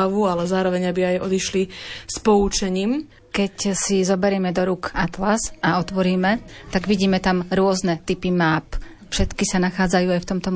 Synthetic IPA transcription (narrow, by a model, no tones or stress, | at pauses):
aʋualɛzaːɾɔʋɛɲabiajɔ̰d̪iʃlispɔut͡ʃɛɲiːm | kɛcsizɔbɛɾjɛːmɛd̪ɔɾukat̪lasaɔt̪ʋɔɾiːmɛt̪aɡʋiɟiːmɛt̪amɾʊɔznɛt̪ipimaːp | fʃɛt̪kisanaxaːd͡zajuːajft̪ɔmt̪ɔ